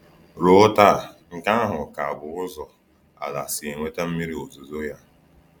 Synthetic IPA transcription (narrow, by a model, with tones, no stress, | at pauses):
ɾʊ˦ta˦˨ŋ̩˨ka˦ɦʊ˨ka˨a˨bʊ˨ʊ˦zɔ˨ | a̰˨la̰˨sɪ˨e˨ŋʷe˦ta˦m̩˦mi˦ɾi˦o˨zo˨zo˦ja˦